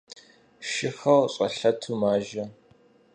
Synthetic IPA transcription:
ʃɪxɐwɕʼɐɬɐtʰumaːʒɐ

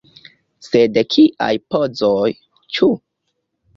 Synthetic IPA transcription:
sedekʰiʔa̰jpod͡zoj | t͡ʃu

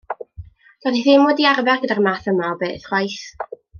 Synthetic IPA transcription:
d̥ɔðiθɪmwɔdiarvɛrɡədarmaθəmaɔbeːθχwajθ

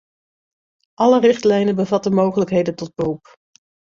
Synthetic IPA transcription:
ʔɑlərɪχtlɛjnənbəvɑtənmowχələkɦejdəntɔd̚bərup

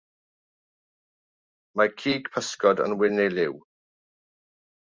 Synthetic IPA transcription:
makʰiːɡ̥pʰəskɔdə̰nwɪnɪlɪw

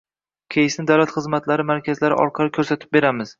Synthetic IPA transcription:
kʲʰejɪsnɪd̪awlat̪χɨzmat̪ʰlaɾɪmaɾkʲʰazlaɾɪ̰ʔɒ̰ɾqʰɑlˠɪkʰɵɾsat̪ʰɪ̥p̚be̞ɾamɪz̥

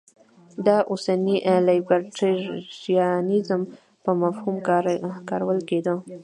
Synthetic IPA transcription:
d̪ɑʔosaniʔlajbaɾʈeijɑnizəm | pəmafhumkɑɾawəlked̪ə

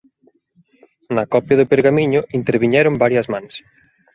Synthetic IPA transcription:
nɐkɔpjɐðʊpeɾɣamiɲʊʔint̪eɾβiɲɛɾʊmbaɾjɐzmãns

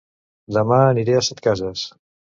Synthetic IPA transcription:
d̪əmaəniɾeasɛt̪kazəs

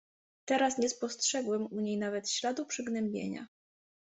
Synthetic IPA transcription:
t̪ɛɾasɲɛspɔstʂɛɡwɛmuɲejnavɛt̪ɕlad̪upʂɘɡnɛmbʲjḛɲa̰

